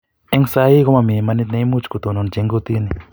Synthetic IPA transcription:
e˦ŋsa˦ji˦ko˦ma˧˨mĩ˨ma˧ni˦t̪̬nẽ˧jmu˦t͡ʃku˨t̪o˨no˨˧nt͡ʃe˧˦ŋɡo˧t̪i˦ni˨

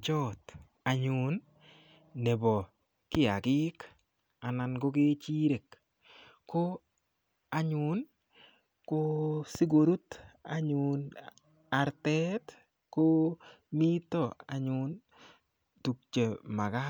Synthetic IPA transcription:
t͡ʃɔ˦t̪ | a˨ɲʊ˨nː | ɛ˨bɔ˨ | kɪ˦a˨ɡɪ˦k | a˨na˨nɡo˦ke˦t͡ʃi˦ɾe˨k | ko˦ | a˨ɲʊ˨n | ko˦si˦ɡo˨ɾu˦t̪a̰˨ɲʊn | a˨ɾtɛ˦t | ko˦ | mi˦tɔ˦˨a̰˨ɲʊn | tu˨k̚t͡ʃe˨ma˨ɡa˦

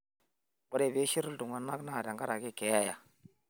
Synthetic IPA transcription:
wo˨ɾe˨be˦ʃi˦ɾu˦ldu˨ŋa˨na˦kna˦˨da˨ŋɡa˦ɾa˨ɡi˦˨ke˨˦ja˦˨ja˨

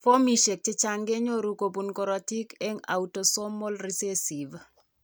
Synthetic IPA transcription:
fo˦mi˨ʃe˨k̚t͡ʃɪ˦t͡ʃaŋɡe˦ɲo˦ɾu˨ko˨pu˨nko˨ɾɔ˨ti˦ke˦ŋa̰˨uto˨so˦mːo˦lri˦se˦si˨v

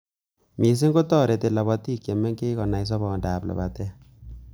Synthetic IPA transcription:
mi˨s̬i˦ŋɡo˦tɔ˦˨ɾe˨te˨la˨bɔ˦ti˦ke˨me˦ŋke˦kɔ˨na˨js̬ɔ˦bɔ˨nda˨pla̰˨ba˨tɛ˦

